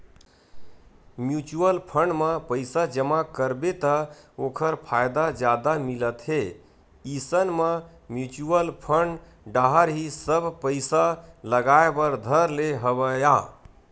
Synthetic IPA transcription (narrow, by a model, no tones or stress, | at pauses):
mjut͡ʃuəlpʰəɳɖməpəɪsad͡ʒəmakəɾbet̪əokʰəɾpʰajd̪ad͡ʒjad̪amilət̪ɦe | isənmə | mjut͡ʃuəlpʰəɳɖ | ɖaɦəɾɦisəbʱpəɪsaləɡaebəɾd̪ʱəɾleɦəbəja